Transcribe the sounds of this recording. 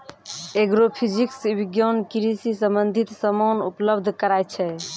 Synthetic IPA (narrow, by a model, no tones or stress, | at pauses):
eɡɾopʰid͡ʒiksbiɡjonkiɾisisə̃mbənd̪ʱit̪səmonṵpləbd̪ʱkəɾaj̪t͡ʃʰɛ